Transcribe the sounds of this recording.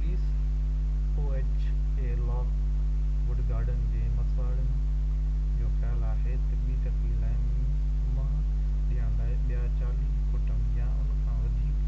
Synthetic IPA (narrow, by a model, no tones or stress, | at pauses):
pliːs | oːeːt͡ɕ | keːlɔːk | ʋʊɖɡaːɾɖənɪ̆d͡ʑeːmɐsaːɪlənɪ̆ | d͡ʑõːkʰalaːɦet̪ɪpːiʈɐkilaːɪ | mã | ɗijãd̪aːɪɓijat͡ɕaːli | kʊʈənɪjãʔʊnkʰãːʋɐd̪ʱiː